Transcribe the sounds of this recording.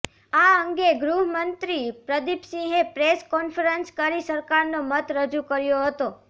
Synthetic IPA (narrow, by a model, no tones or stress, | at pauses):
aəŋɡeɡɾuɦəmənt̪ɾipɾəd̪ipsĩɦepɾeskɔnfəɾənskəɾisəɾkaɾnomət̪ɾəd͡ʒukəɾjoɦət̪o